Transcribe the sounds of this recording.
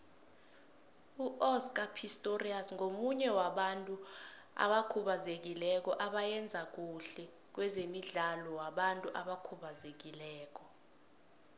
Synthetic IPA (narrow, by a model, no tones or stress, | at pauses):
uʔɔsk̬ʼapʰistʼoriasŋomuɲɛwaɓantʼu | a̰ɓakʰuɓazek̬ilɛk̬ɔʔaɓajɛnd͡zʱak̬uɬɛ | k̬wɛzemiɮalɔwaɓantʼuʔaɓakʰuɓazek̬ilɛːk̬ɔ